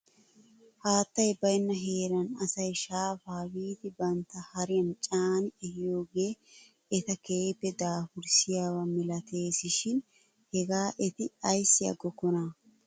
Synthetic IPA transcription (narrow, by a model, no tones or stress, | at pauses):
haːt̪ːɐjbɐjnːɐɦe̞ːɾɐnɐsɐjʃaːfaːwiːt̪ɪbɐnt̪ːɐhɐɾɪjɐnt͡ʃʼaːnɪɛhɪjoːɡe̞ː | ɛt̪ɐkeːpːɛd̪aːfʊɾsɪjaːwɐmɪlɐt̪ʰe̞ːsɪʃɪn | hɛɡaːʔɛt̪ɪɐjsːɪɐ̰ɡɔkːɔnɐ